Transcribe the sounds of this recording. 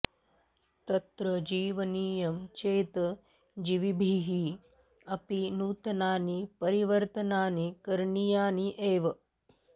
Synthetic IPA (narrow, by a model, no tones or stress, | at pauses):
t̪ɐt̪ɾɐd͡ʒiːʋɐniːjɐmt͡ʃeːt̪ɐ | d͡ʒiʋibʱiːɦi | ɐpinuːt̪ɐnaːnipɐɾiʋɐɾt̪ɐnaːnikɐɾɳijaːniʔeːʋɐ